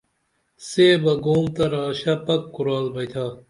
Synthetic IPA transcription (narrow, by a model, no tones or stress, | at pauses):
seːbɐɡoːmt̪ɐɾaːɕɐpɐkːuɾaːlbɐjt̪ʰa